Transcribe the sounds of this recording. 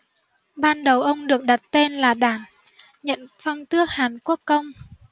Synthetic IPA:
ɓaː˧nɗə˨˩wʔə˧wŋ͡mɗɨ˨˩ək̚ɗa˨˩t̚t̪e˧nlaː˨˩ɗaː˧˩n | ɲə̰˧˨nfɔ˧wŋ͡mt̪ɨ˦˥ək̚haː˨˩nku˦˥əkːə˧wŋ͡m

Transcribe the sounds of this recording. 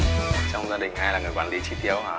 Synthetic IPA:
t͡ɕɔ˧wŋ͡mzaː˧ɗï˨˩ŋ̟haː˧jlaː˨˩ŋɨ˨˩jkwaː˨˦nli˨˦t͡ɕi˧˦t̪i˨˦əwhaː˨˩

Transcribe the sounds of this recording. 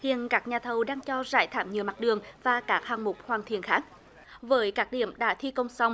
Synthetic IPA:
hḭ˧˨ənkaː˦˥k̚ɲaː˨˩t̪ʰə˨˩wɗaː˧ŋt͡ɕɔ˧zaː˧˩jt̪ʰaː˧˩mɲi˨əma˨˩t̚ɗɨ˨˩əŋvaː˨˩kaː˦˥k̚haː˨˩ŋmʊ˨˩k͡p̚hwaː˨˩nt̪ʰḭ˧˨ənxaː˦˥k̚ | vəː˨˦jkaː˦˥k̚ɗḭ˧˩əmɗa̰ː˧˥t̪ʰi˧kə˧wŋ͡msa˧wŋ͡m

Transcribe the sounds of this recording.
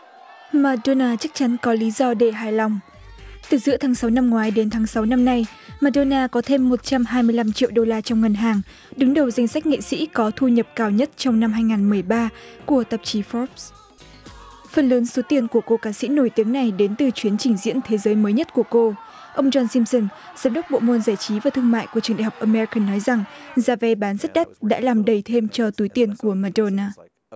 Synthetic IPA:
maː˨˧˩ɗo˧naː˧t͡ɕa˦˥k̚t͡ɕa˨˦nkɔ˨˦li˨˦zɔ˧ɗe˧˩ɦaː˨˩jla˨˩wŋ͡m | t̪ɨ˨˩zɨ̰˧˥t̪ʰaː˨˦ŋsa˨˦wna˧mŋwaː˨˦jɗe˨˦nt̪ʰaː˨˦ŋsa˨˦wna˧mna˧j | maː˨˧˩ɗo˧naː˧kɔ˨˦t̪ʰe˧mːo˨˩t̚t͡ɕa˧mɦaː˧jmɨ˧əjla˧mt͡ɕḭ˧əwɗo˧laː˧t͡ɕɔ˧ŋ͡mŋə˨˩nɦaː˨˩ŋ | ɗɨ˨˦ŋɗə˨˩wza˧jŋ̟sa˦˥k̟̚ŋḛ˧˨sḭ˧˥kɔ˨˦t̪ʰu˧ɲə˨˩p̚kaː˧˩wɲə˦˥t̚t͡ɕɔ˧wŋ͡mna˧mhɦaː˧jŋaː˨˩nmɨ˨˩əjɓaː˧ku˧˩ət̪ə˨˩p̚t͡ɕi˨˦fɔ˦˥p̚ | fə˧˩nləː˨˦nso˨˦t̪i˧ənku˧˩əko˧kaː˨˧˦sḭ˧˥no˧˩jt̪i˨˦əŋna˨˩jɗe˨˦nt̪ɨ˨˩t͡ɕwi˨˦ənt͡ɕï˧˩ŋ̟zḭ˧˥ənt̪ʰe˨˦zəː˨˦jməː˨˦jɲə˦˥t̚ku˧˩əko˧ | ʔə˧wŋ͡mzɔ˧nsi˧msə˧nzaː˨˦mɗə˦˥k͡p̚ɓo̰˧˨mo˧nzaː˧˩jt͡ɕi˨˦vaː˨˩t̪ʰɨ˧əŋma̰ː˧˨jku˧˩ət͡ɕɨ˨˩əŋɗa̰ː˧˨˩ɦk͡p̚ʔaː˧mɛ˧ɹkə˨˩nːɔ˨˦jza˨˩ŋzaː˧˩vɛ˧ɓaː˨˦nzə˦˥t̚ɗa˦˥t̚ɗa̰ː˧˥laː˨˩mɗə˨˩jt̪ʰe˧mt͡ɕɔ˧t̪u˨˦jt̪i˧ənku˧˩əmaː˧˩do˧naː˧

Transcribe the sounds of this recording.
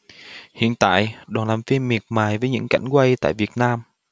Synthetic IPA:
hḭ˧˨ənt̪a̰ː˧˨jɗwaː˨˩nlaː˨˩mfi˧mːi˨˩ət̚maː˨˩jvəː˨˦jɲɨ̰˧˥ŋka̰˧˩jŋ̟kwa˧jt̪a̰ː˧˨jvi˨˩ət̚naː˧m

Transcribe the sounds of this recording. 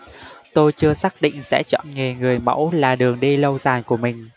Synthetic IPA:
t̪o˧jt͡ɕɨ˧əsaː˦˥k̚ɗḭ̈˧˨ŋ̟sɛ̰˧˥t͡ɕɔ̰˧˨nŋe˨˩ŋɨ˨˩əjmə̰˧˥wlaː˨˩ɗɨ˨˩əŋɗi˧lə˧wzaː˨˩jku˧˩əmï˨˩ŋ̟

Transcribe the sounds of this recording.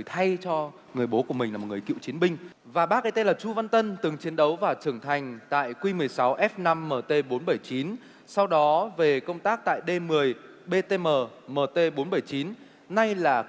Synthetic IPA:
jt̪ʰa˧jt͡ɕɔ˧ | ŋɨ˨˩əjɓo˨˦ku˧˩əmi˨˩ŋ̟laː˨˩m̚˨˩ɨ˨˩kḭ˧˨wt͡ɕi˨˦ənɓï˧ŋ̟ | vaː˨˩ɓaː˦˥k̚ʔə˨˧jt̪e˧laː˨˩t͡ɕu˧va˧nt̪ə˧nt̪ɨ˨˩ŋt͡ɕi˨˦ənɗə˨˦wvaː˨˩t͡ɕɨ˧˩əŋt̪ʰa˨˩jŋ̟t̪a̰ː˧˨jkwi˧mɨ˨˩əjsa˨˦wʔɛ˦˥p̚na˧mːəː˨˩t̪e˧ɓo˨˦nɓə˧˩jt͡ɕi˨˦n | sa˧wɗɔ˨˦ve˨˩kə˧wŋ͡mt̪aː˦˥k̚t̪a̰ː˧˨jɗe˧mɨ˨˩əj | ɓe˧t̪e˧məː˨˩məː˨˩t̪e˧ɓo˨˦nɓə˧˩jt͡ɕi˨˦nː | a˧jlaː˨˩

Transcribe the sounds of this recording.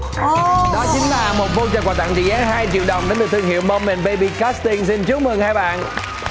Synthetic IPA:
xɗɔ˨˦t͡ɕï˨˦ŋ̟laː˨˩mo˨˩t̚vo˧t͡ɕəː˧˩kwaː˨˩t̪a̰˧˨ŋt͡ɕḭ˧˨zaː˨˦ɦaː˧jt͡ɕḭ˧˨wɗə˨˩wŋ͡mɗe˨˦nd̪t̪ɨ˧əŋhḭ˧˨wmə˧wŋ͡mme˨˩nɓə˧ɓi˧kaː˦˥st̪i˧ŋsi˧nt͡ɕu˨˦w̚mɨ˨˩ŋhaː˧jɓa̰ː˧˨nʔ

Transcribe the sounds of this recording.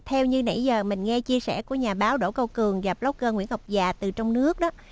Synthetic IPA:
t̪ʰɛ˧wɲɨ˧na̰˧˥jzəː˨˩mï˨˩ŋ̟ŋɛ˧t͡ɕi˧əsɛ̰˧˩ku˧˩əɲaː˨˩ɓaː˨˦wɗo̰˧˩kə˧wkɨ˨˩əŋɣa˨˩p̚lə˨˦˥wk͡p̚kəː˧ŋwḭ˧˩ənha˨˩wk͡p̚zaː˨˩t̪ɨ˨˩t͡ɕɔ˧wŋ͡mnɨ˦˥ək̚ɗɔː˨˦

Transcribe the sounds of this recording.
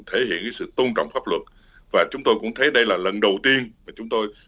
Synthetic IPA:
t̪ʰe˧˩˦hḭ˧˨ənkaː˨˦sɨ̰˧˨t̪o˧nt͡ɕɔ̰˧˨wŋ͡mfaː˦˥p̚lwə˨˩t̚ | vaː˨˩t͡ɕʊ˨˦ŋ͡mt̪o˧jkʊ̰˧˥ŋ͡mt̪ʰə˨˦jɗə˧jlaː˨˩lə˨˩nɗə˨˩wt̪i˧ənmaː˨˩t͡ɕʊ˨˦ŋ͡mt̪o˧j

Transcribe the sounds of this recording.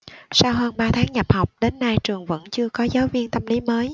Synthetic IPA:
saː˧wɦəː˧nɓaː˧t̪ʰaː˨˦ŋɲa˨˩p̚ha˨˩wk͡p̚ɗe˨˦nːa˧jt͡ɕɨ˨˩əŋvə̰˧˥nt͡ɕɨ˧əkɔ˨˦zaː˨˦wvi˧ənt̪ə˧mli˨˦məː˨˦j

